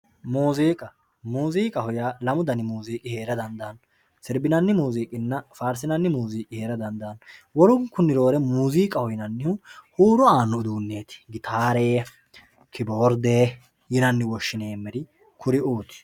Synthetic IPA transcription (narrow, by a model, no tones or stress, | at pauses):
muːziːkʼɐ | muːziːkʼɐhʊjaːlɐmʊd̪ɐnɪmuːziːkʼɪhe̞ːɾɐd̪ɐnd̪ɐːn | sɪɾbɪnɐnːɪmuːziːkʼɪnːɐfaːɾsɪnɐnːɪmuːziːkʼɪhe̞ːɾɐd̪ɐnd̪ɐnwɔɾʊŋkːʊnːɪɾo̞ːɾɛmuːziːkʼɐhɔjnɐnːɪhʊhuːɾɔaːnːɔd̪uːnːe̞ːt̪ɪ̥ɡɪt̪ʰaːɾeː | kʰɪboːɾd̪eː | jɪnɐnːɪwɔʃːɪneːmːɛɾɪ | kʰʊɾɪʔuːt̪ɪ̥